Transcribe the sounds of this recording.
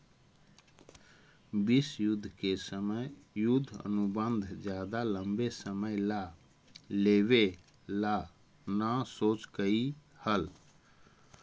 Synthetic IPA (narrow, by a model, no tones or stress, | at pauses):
bisjud̪ʱːkesəməjjʊd̪ʱːə̰nubənd̪ʱd͡ʒjad̪aləmbesəməjla | leβe | la | nəsot͡ʃkəi | həl